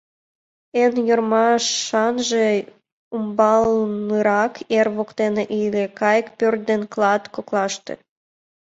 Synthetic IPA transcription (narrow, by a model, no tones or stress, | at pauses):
enjormɑʃːɑnʒe | umbɑlnɨɾɑkʰerβokt̪eneʔilekɑjkpørt̪̚d̪enklˠɑt̪koklɑʃt̪ḛ